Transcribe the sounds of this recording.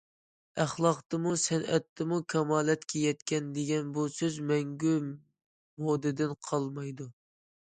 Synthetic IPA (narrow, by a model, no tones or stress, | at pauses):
æχlˠɑqt̪ɨmusɛnɛt̪ʰːɨmukʲʰɑmɑːlɛt̪kʲejɛt̪kʲɛnd̪eɡʲɛnbusøzmɛŋɡʲy | mod̪ɪd̪ɪnqʰɑlˠmɑjd̪u